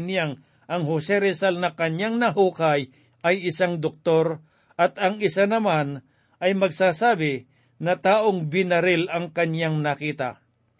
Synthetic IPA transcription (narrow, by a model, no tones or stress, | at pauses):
njaŋ | ʔɐŋɦosɛɾɛsalnɐkɐɲjaŋnɐɦuːkɐj | ʔɐjɪsaŋd̪ok̚t̪o̞ɾ | ʔɐt̪ɐŋɪsanɐman | ʔɐjmɐɡsaːsaːbɪ | nɐt̪aːʔoŋbɪnɐɾɪlɐŋkɐɲjaŋnɐkiːt̪a̰